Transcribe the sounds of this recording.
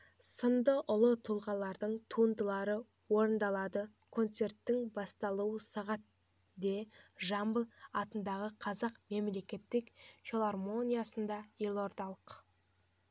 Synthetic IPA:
səmd̪əʔʊlˠət̪ʰulˠʁɑlˠɑɾd̪əɴt̪ʰund̪əlˠɑɾə | wo̞ɾənd̪ɑlˠɑd̪ə | kʰo̞nt̪se̞rt̪ːɪŋbɑst̪ɑlˠuwəsɑʁɑt̪̚ | d̪e̞ʒɑmbəlˠɑt̪ənd̪ɑʁəqʰɑzɑqme̞mle̞kʲe̞t̪ːɪkfʲelˠarmo̞nʲijasənd̪ɑje̞lˠo̞ɾd̪ɑlˠəq

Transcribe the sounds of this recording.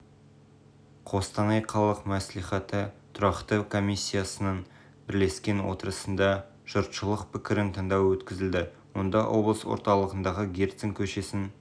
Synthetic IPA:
qʰo̞st̪ɑnɑjqʰɑlˠəqmæsliχɑt̪ət̪ʰʊɾɑqt̪əkʰo̞misʲːijasənɑn | bɪɾle̞skʲe̞nwo̞̰t̪əɾəsənd̪ɑ | ʒ̥ʊɾt̪ʃəlˠəqpɪkʲɪɾɪnt̪ʰɑɴd̪ɑwwɵt̪kʲɪzɪld̪ɪ | wo̞nd̪ɑwʔo̞blˠəswo̞̰ɾt̪ɑlˠəʁənd̪ɑʁəɡʲert̪sɪŋkʲʰɵʃe̞sɪn

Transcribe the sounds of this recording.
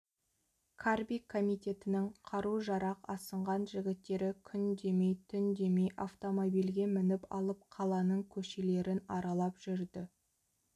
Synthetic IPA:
kʰarbikʰːo̞mijt̪ʲe̞t̪ɪnɪŋqʰɑɾuʒɑɾɑqɑsəɴʁɑnʒɪɡʲɪt̪ːe̞ɾɪkʲʰʏnd̪e̞mejt̪ʰʏnd̪e̞mejʔaft̪o̞mobijlɡʲe̞mɪnɪpɑ̰lˠəp̚qʰɑlˠɑnəɴkʲʰɵʃe̞le̞ɾɪnɑɾɑlˠɑpʒ̥ʏɾd̪ɪ

